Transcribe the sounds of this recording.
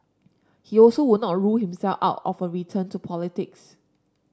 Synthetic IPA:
hiɔlsowʊd̚nɔt̚ɹuhĩmsɛlfa̰ʊtɔ̰fəɹitʰə̃ntupʰɔlɪtɪks

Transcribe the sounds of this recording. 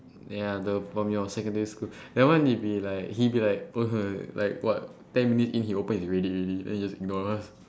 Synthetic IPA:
jadəpamilĩɔsɛkə̃ndəɹiskudɛwãndibilaɪk̚hibilaɪk̚əɦəla̰ɪk̚wɔ̰t̚tɛ̃nminitsĩnhiopə̃nisɹediɹididɛ̰̃nhid͡ʒasiɡ̚nɔas

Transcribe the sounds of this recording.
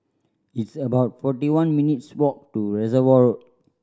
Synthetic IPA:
itsəbaʊt̚fɔtiwãnminitswɔk̚tuɹɛzəwɔɹ

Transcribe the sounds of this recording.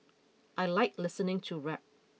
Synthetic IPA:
ʔajlaɪk̚lɪsənɪ̃ŋtʰuɹɛp̚

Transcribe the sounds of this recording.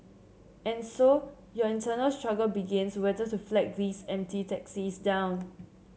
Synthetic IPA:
ɛ̃nso | jɔĩntʰənəlstɹaɡəlbiɡɪ̃nswɛtətuflɛk̚ðisɛ̃mtitɛksisdãw̃n

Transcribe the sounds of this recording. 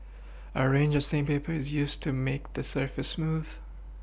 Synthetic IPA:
əɹẽɪ̃nd͡ʒʌv̥sẽmpeɪpʰə˞ɨzjʉstʰɨmeɪk̚ðɨsɜ˞fɨsmuð̥

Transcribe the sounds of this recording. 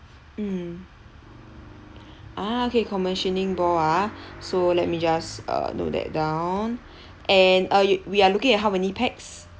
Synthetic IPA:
m̩ | ʔaokekʰɔmɛ̃nʃə̃nɪ̃ŋbɔasolɛt̚mid͡ʒasʌ̰no̰t̚dɛ̰t̚dãʊwn | ʔɛ̃nʌjwialukɪ̃ŋɛt̚ɦawmɛnipʰɛks

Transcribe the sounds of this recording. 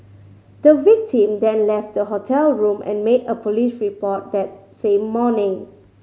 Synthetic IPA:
d̥əvik̚tʰĩmdɛ̃nlɛft̚dəɦotʰɛlɹũmʔɛ̰̃nmedəpʰɔlisɹipɔt̚dɛt̚sẽmːɔnɪ̃ŋ

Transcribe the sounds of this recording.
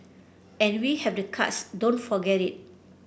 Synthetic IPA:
ɛ̃nwihɛvdəkʰa̰tsdõnfɔɡɛtit̚

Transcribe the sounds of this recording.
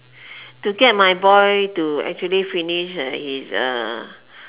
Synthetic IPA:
tuɡɛt̚majbɔjtuɛ̰k̚t͡ʃuəlifiniʃhisʌ̰

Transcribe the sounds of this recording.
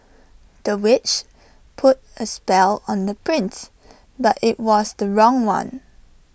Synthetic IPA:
d̥əwɪt͡ʃ | pʰʊt̚əspɛlə̃ndəpʰɹɪ̃ns | batɪt̚wɔsdəɹɔ̃ŋwã̰n

